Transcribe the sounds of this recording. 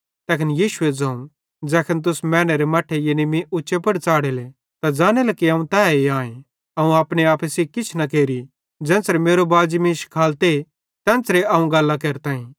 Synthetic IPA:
t̪ɛːkʰənjiːʃʊed͡zɐ̃ːũ | d͡zɛːkʰənt̪̬ʊsmɛ̃ːñeɾemɐʈʰːejenimĩʔʊːʃepɐɽt͡saːɽele | t̪ad͡ʒaːñelɐkiɐũt̪ɛːeãːẽ | ɐũaːpɽ̃eaːpʰəsikɪt͡ʃʰnɐkeːɾi | d͡ʒɛ̃ːnsɾemeːɾobaːd͡ʒimĩʃkʰaːlt̪e | t̪ɛ̃ːnsɾeɐũɡɐlːakeːɾt̪ãːĩː

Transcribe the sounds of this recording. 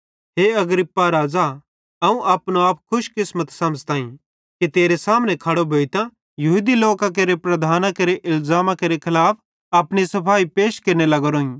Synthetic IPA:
ɦeːɐɡɾɪpːaɾaːd͡za | ɐũʔaːpnoaːpkʰʊʃkɪsmət̪sɐmzt̪ãːĩ | kit̪eːɾesaːmnẽkʰɐɽobʱeːit̪ã | jɐɦuːd̪iloːkãk̬eɾepɾɐd̪ʱaːnãkeɾeʔɪlzaːmãkeɾekʰɪlaːpʰ | ɐːpɽ̃isɐpʰaːipeːʃkeɾnelɐɡɐɾoːĩ

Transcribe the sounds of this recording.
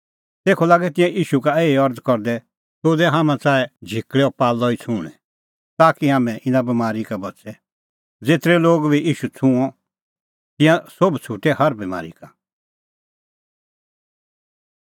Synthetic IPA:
t̪eːkʰɔlaːɡɛt̪ɪ̃jãʔiːʃukaeːiɔɾd̪kɔɾd̪ɛ | toːd̪ɛɦaːmãt͡saːɛd͡ʒʱikɽɛɔpaːlɔit͡sʰũːɽ̃ɛ̰ | t̪aːkiɦaːmɛ̃ʔɪnãbimaːɾikabɐtsɛ | d͡zeːt̪ɾɛloːɡbʱiʔiːʃut͡sʰũɔ̃ | t̪ɪ̃jãsobt͡sʰuːʈɛhɐɾbima̰ːɾḭka

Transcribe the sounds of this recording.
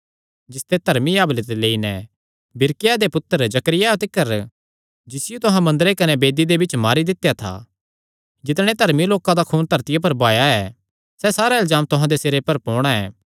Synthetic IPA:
d͡ʒɪst̪et̪ɐɾmijaːblet̪eleːinɛ | bɪɾkɪjad̪epʊt̪ːəɾd͡ʒɐkəɾɪjat̪ɪkːəɾ | d͡ʒɪsɪjut̪ʊɦãmɐ̃nd̪əɾekɐnebeːd̪id̪ebɪt͡ʃmaːɾid̪ɪt̪jat̪ʰa̰ː | d͡ʒɪt̪̬ɽ̃et̪ɐɾmiloːkãd̪akʰuːnt̪ɐɾt̪ɪjap̬ɐɾbaːjaɛː | sɛsaːɾaɪlzaːmt̪ʊɦãd̪eseːɾepɐɾpɔːɽ̃aɛ̰ː

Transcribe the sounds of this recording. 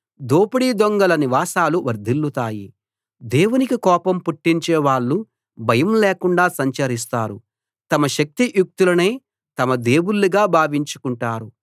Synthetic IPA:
d̪oːpɐɽiːd̪oŋɡɐlɐniʋaːsaːluʋɐɾd̪ʱilːut̪aːjḭ | d̪e̞ːwunikikɔːpɐmpuʈːiɲt͡ʃɛːʋaːɭːu | bʱɐjɐmleːkuɳɖaːsɐɲt͡ʃɐɾis̬t̪aːɾu | t̪ɐmɐʃɐk̚t̪iʔjuk̚t̪ulɐneː | t̪ɐmɐd̪e̞ːwulːiɡaːbʱaːʋiɲt͡ʃu̥kuɳʈaːɾu

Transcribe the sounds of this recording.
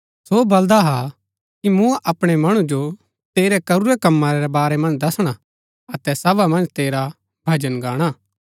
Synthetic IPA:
soːbɐld̪aɦa | kimʊ̃ʔɐpɽ̃ɛmɐɽ̃ũd͡ʒo | t̪eːɾɛkɐɾuɾɛkɐmːaɾɛɾɛbaːɾɛmɐ̃nd͡ʒd̪ɐsɽ̃a | ɐt̪ɛsɐʋamɐ̃nd͡ʒt̪eːɾa | bʱɐd͡ʒənɡaːɽ̃aː

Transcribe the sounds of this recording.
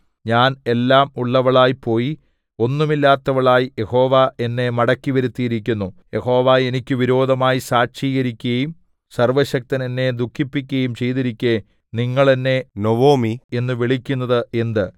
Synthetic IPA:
ɲaːne̞lːaːmuɭːɐʋɐɭaːjipo̞ːji | o̞nːumilːaːt̪ːɐʋɐɭaːjije̞ho̞ːʋae̞nːe̞mɐɽɐkʲːiʋɐɾut̪ːijiɾik̬ʲːunːuje̞ho̞ːʋae̞nikʲːɨʋiɾo̞ːd̪ʱɐmaːjisaːɕiːɣɐɾikʲːuɣɐjum | sɐrʋɐɕɐk̚t̪ɐnenːe̞d̪ukʰːipːikʲːuɣɐjumt͡ɕe̞jt̪iɾikʲːe | niŋːɐɭenːe̞noʋoːmienːɨʋiɭikʲːunːɐðɨe̞nd̪ɨ

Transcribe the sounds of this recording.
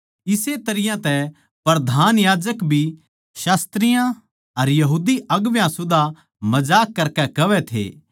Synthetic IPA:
ɪset̪ɐɾɪjãt̪ɛ | pɐɾɐd̪ʱaːnjaːd͡ʒəkbʱi | ʃaːst̪ɾɪjã | ɐɾjɐɦuːd̪iɐɡʋjãsʊd̪a | mɐd͡ʒaːkːɐɾkɛkɐʋɛt̪ʰḛː

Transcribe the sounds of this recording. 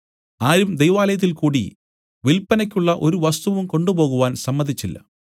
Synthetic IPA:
aːɾumd̪ejʋaːlɐjɐt̪̬ːilkuːɽḭ | ʋilpːɐnɐkʲːuɭːɐʔo̞ɾuʋɐst̪uʋɐʋumko̞ɳɖubo̞ːɣuʋaːnsɐmːɐnd̪ʱit͡ɕːilːɐ̰

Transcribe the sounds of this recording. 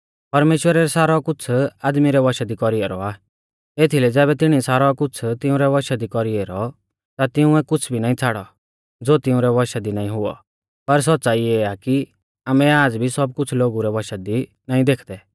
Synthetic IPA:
pɐɾmeːʃwəɾaɾɛsaːɾɔkʊt͡sʰaːd̪miɾɛʋɔʃad̪ikɔɾiɛɾɔ̰a | et̪ʰilɛd͡zɛːβɛt̪ɪɽ̃isaːɾɔkʊt͡sʰt̪ɪ̃ʊ̃ɾɛʋɐʃad̪ikɔɾiɛɾɔ | t̪at̪ɪʊ̃ɛkʊt͡sʰbʱinaːĩt͡sʰaːɽɔ | d͡zoːt̪ɪ̃ʊ̃ɾɛʋɔʃad̪inaːĩɦʊɔ̰ | pɐɾs̬ɔtːsaːieaki | aːmɛ̃aːd͡zbʱisɔb̚kʊt͡sʰloːɡuɾɛʋɔʃad̪i | naːĩd̪eːkʰd̪ɛ

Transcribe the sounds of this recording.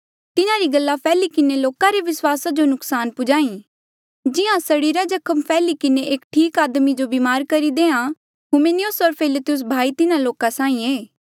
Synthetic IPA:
t̪ɪnãɾiɡɐlːapʰɛːlikɪneloːkãɾeʋɪswaːsad͡ʒonʊksaːnpʊd͡ʒaːĩ | d͡ʒɪɦãsɐɽiɾad͡ʒɐkʰəmpʰɛːlikɪneʔeːkʈʰiːkaːd̪mid͡ʒobiːmaːɾkɐɾid̪eːã | ɦʊmenɪjʊsɔɾpʰɪlɪt̪ɪjʊs̬bʱaːit̪ɪnãloːkãsãːĩeː

